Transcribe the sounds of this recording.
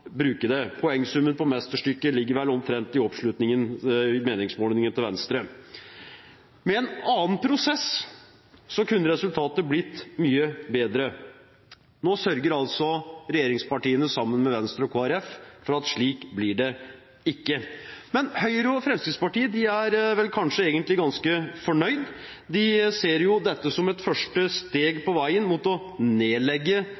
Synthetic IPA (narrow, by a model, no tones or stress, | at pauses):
bɾʉːkəd̪ɛpʰɔɛŋːsʉmːənpʰɔmɛst̪əʂʈʏkːəlɪɡːəɾʋɛlɔmt̪ʰɾɛnt̪ɪɔpʂɭʉt̪nɪŋənmeːnɪŋsmoːlnɪŋənt̪ɪlʋɛnst̪ɾə | mɛɛːnɑːn̩pʰɾʊsɛs | sɔkʉnːəɾɛsʉlt̪ʰɑːt̪əblɪt̪ːmyːəbeːd̪ɾə | noːsœɾɡəɾɑlt̪sɔɾɛjeːɾɪŋspɑʈiːənəsɑmːənmɛʋɛnst̪ɾɔkʰoːæɾɛffɔɾɑt̪ʂɭiːkblɪɖɛ | ɪkːəmɛnhœʏɾəɔfɾɛmskɾɪt̪spɑʈiːəd̪ɪæɾʋɛlkʰɑnʂəeːɡənt̪lɪɡɑnskəfɔɳœʏd̪ | d̪ɪseːɾjʊd̪ɛt̪ːəsɔmɛt̪fœʂʈəst̪eːɡpɔʋæɪənmut̪ɔ | neːlɛɡːə